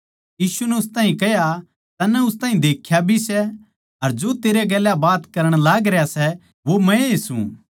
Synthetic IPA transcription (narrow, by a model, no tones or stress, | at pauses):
jiːsunɛʊst̪aːɦĩkɛɦja | t̪ɐnːɛʊst̪aːɦĩd̪eːkʰːjabʱisɛ | ɐɾd͡ʒot̪eːɾeɡɛːljabaːt̪kɐɾəɽ̃laːɡɾɛjasɛ | ʋomɛ̃sṵ̃